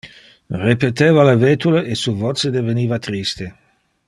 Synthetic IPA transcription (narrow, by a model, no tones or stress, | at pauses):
repet̪eːvalaveːt̪uleʔesuvɔt̪sed̪eveniːvat̪ɾist̪e